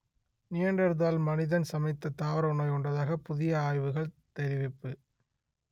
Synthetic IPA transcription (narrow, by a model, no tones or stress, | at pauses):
nɪjɐɳɖɐɾɯðaːlmɐnɪðɐnsɐmɐɪt̪ːɐt̪aːʋɐɾɐʊnɐɪɔɳɖɐðaːɣɐpʊðɪjɐaːjʋɯɣɐɭt̪ɛɾɪʋɪpːɯ